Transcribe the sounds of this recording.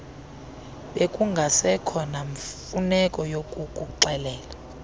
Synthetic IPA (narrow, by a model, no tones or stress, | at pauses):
ɓekʼuŋɡʱasɛkʰɔnaɱfunɛkʼɔjokʼukʼuǃɛlɛːla